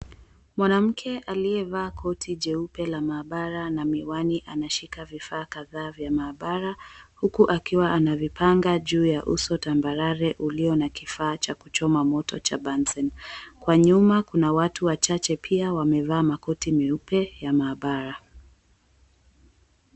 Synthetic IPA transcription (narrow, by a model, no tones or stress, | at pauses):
mwanam̩kʰɛʔaliɛvaːkʰɔtʰid͡ʒɛupɛlamaːɓaɾanamiwaniʔanaʃikavifaːkaðaːvjamaːɓaɾahukuʔakiwaʔanavipʰaŋɡaʄuːjaʔṵsɔtambaɾaɾɛʔuliɔnakifaːt͡ʃakut͡ʃɔmamɔtɔ̰t͡ʃabansɛnkwaɲumakunawatuwat͡ʃat͡ʃɛpʰiawamɛvaːmakɔtimiupɛjamaːɓaɾa